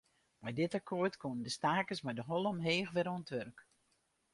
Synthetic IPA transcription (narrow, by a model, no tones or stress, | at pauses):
majdɪtakʰoərtkʰonədəstaːkəsmajdəɦɔlˠəmɦeːxʋɪɾonətʋørk